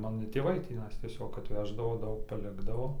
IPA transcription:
ˈmɑːnoː ˈtʲeːʋɐɪ tʲiːˈnɐɪs tʲiɛˈsʲoːk ɐtʲˈʋʲæːʒdɐʋoː ˈdɐʊk pɐˈlʲɪɡdɐʋoː

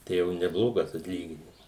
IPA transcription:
ˈtɐɪ jɛʊ nʲɛˈblˠoːɡɐs ɐtʲˈlʲiːɡʲɪnʲɪms

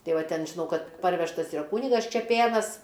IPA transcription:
ˈtɐɪ ˈʋɐ ˈtʲɛn ʒʲɪˈnɐʊ ˈkɐt ˈpɐrʲʋʲɛʃtɐs ɪˈrɐ ˈkuːnʲɪɡɐs t͡ʃʲɛˈpʲeːnɐs

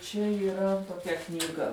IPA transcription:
t͡ʃʲɛ iːˈrɐ toːˈkʲɛ knʲiːˈɡɐ

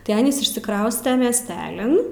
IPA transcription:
tɐɪ ˈɑːnʲiːs ɪʃʲsʲɪˈkrɐʊsʲtʲɛ mʲiɛsʲˈtʲæːlʲɪn

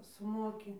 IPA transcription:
sʊˈmoːkʲɪ

